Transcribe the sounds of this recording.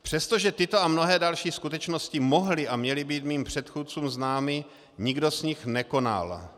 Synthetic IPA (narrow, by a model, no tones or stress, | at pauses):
pr̝̥ɛst̪oʒɛt̪ɪt̪o̞amno̞ɦɛːdalʃiːskut̪ɛt͡ʃno̞scɪmo̞ɦlɪʔamɲɛlɪbiːt̪miːmpr̝̥ɛt̪xuːt̪̚t͡suːmznaːmɪ | ɲɪɡdo̞zɲɪxnɛko̞na̰l